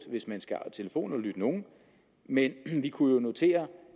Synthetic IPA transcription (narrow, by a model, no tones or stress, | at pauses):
d̥ʋe̝smænsɡ̥æt͡sʰe̝ləfo̝̰ːn̩ɒ̽lyd̥əno̝ːn̩ | menʋikʰujo̝no̝t͡sʰe̝̰ːɐ